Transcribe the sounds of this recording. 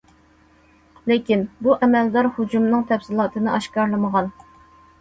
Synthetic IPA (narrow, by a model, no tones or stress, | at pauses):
lɪkʲinbuʔɛmɛld̪ɑɾhud͡ʒumnɨŋt̪ʰɛfsɪlˠɑːt̪ʰɨnɨʔɑʃkɑɾlˠɨməʁɑn